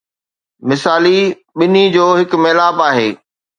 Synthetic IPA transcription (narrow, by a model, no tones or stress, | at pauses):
mɪsaːli | ɓɪnid͡ʑoːɦɪkmeːlaːbaːɦeː